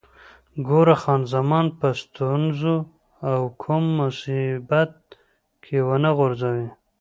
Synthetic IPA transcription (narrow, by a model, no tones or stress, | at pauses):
ɡoɾaxɑnzamɑnpəst̪unzu | awkʰumːʊsibat̪̚ | kʰewənaɣʊɾzawi